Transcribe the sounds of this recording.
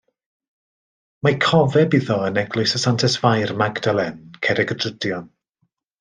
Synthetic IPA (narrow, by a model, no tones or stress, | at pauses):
makʰɔvɛbiðɔənɛɡlʊjsəsantʰɛsvajrmaɡdalˠɛnkʰɛɾɛɡədrədjɔn